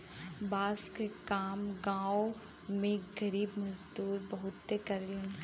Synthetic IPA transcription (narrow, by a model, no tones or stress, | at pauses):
baːskekaːmɡãːo | mẽɡɐɾiːbmɐzd̪uːɾbɐɦʊt̪ːekɐɾliẽ